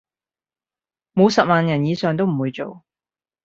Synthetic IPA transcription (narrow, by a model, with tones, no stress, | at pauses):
mo˨˧wsɐ˨p̚maː˨njɐ˨˩njiː˨˧sœː˨ŋt̪o˥wm̩˨˩wuː˨˧jt͡so˨w